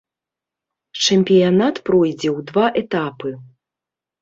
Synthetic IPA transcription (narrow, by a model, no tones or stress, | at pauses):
t͡ʂɛmʲpʲijanat̪pɾɔjd͡zʲɛwd̪vaʔɛt̪apɨ